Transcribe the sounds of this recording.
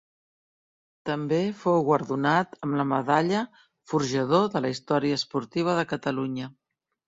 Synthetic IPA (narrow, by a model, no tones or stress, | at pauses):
t̪əmbefowɣwəɾðunat̪əmləməðaʎə | fuɾʒəð̞oðələist̪ɔɾiəːspuɾt̪iβ̞əðəkət̪əluɲə